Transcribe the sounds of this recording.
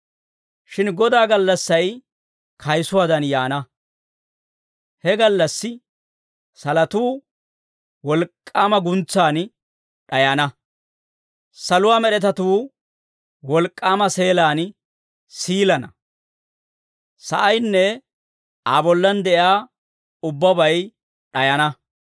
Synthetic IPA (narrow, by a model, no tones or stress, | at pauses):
ʃɪnɡɔd̪aːɡɐlːɐsːɐj | kʰɐjsʊwaːd̪ɐnjaːnɐ | hɛɡɐlːɐsːɪ | sɐlɐt̪uː | wɔlkʼːaːmɐɡʊnt͡sːaːn | ɗɐjɐnɐ | sɐlʊwaːmɛɗɛt̪ɐt̪uː | wɔlkʼːaːmɐse̞ːlaːn | siːlɐnɐ | sɐʔɐjnːɛ | aːbɔlːɐnd̪ɛʔjaː | ʊbːɐbɐj | ɗɐjɐnɐ